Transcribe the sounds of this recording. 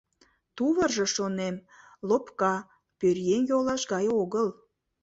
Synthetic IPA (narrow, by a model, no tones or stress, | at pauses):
t̪uβərʒəʃonem | lopkɑ | pørjemjolɑʃɡɑjoɣəl